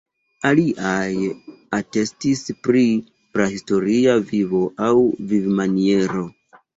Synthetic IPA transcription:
aliʔajate̞stispɾi | pɾahisto̞ɾiavivo̞ʔawvivmanie̞ɾo̞

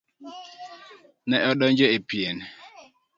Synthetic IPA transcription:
nɛʔɔɗɔɲd͡ʒɔepien

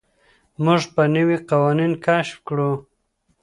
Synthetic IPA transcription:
muʐpənəwiqawɑninkʰaʃfkɽu

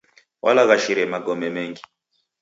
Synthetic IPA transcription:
wʔa̰laɣaʃiɾɛmaɡɔmɛmɛŋɡi

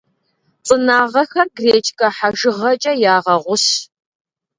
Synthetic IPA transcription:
t͡sʼɨnaːʁɐxɐɡreːt͡ʃʰʼkʼɐħaʒɨʁɐt͡ʃʼɐjaːʁɐʁʷʊɕ

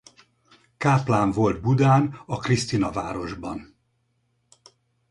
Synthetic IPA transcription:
kaːplaːɱvo̞ld̪̚bud̪aːnɒkrist̪inɒva̰ːɾo̞ʒbɒn

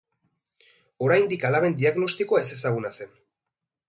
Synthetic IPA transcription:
o̞ɾajnd̪ikalaβe̞nd̪iaɣno̞st̪ikoae̞se̞saɣunase̞n

